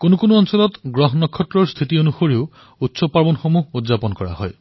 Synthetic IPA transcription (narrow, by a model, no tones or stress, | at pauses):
konukonuɔnsɔlɔt̪ɡɹɔɦɔnɔkʰɔtːɹɔɹst̪ʰit̪ionuxoɹiw | utsɔpaɹbɔnxomuɦud̪zapɔnkɔɹa̰hɔ̰j